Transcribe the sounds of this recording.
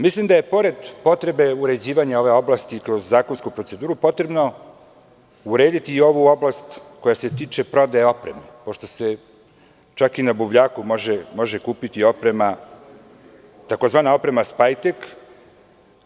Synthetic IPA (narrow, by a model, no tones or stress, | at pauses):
mislimd̪aje̞po̞ɾe̞d̪po̞t̪ɾe̞be̞uɾe̞d͡ʑiːʋaɲao̞ʋe̞o̞blˠast̪ikɾozːaːkonskupɾose̞d̪uːɾupo̞t̪ɾe̞bno̞ | uɾe̞ːd̪it̪iːo̞ʋuo̞blast̪ko̞jase̞t̪iːt͡ʃe̞pɾo̞d̪aeo̞pɾe̞̰mepo̞ʃt̪o̞se̞ | t͡ʃakinabubʎaːkumo̞ʒemo̞ʒe̞kuːpit̪io̞pɾe̞ma | t̪akozʋaːnao̞pɾe̞maspajt̪ek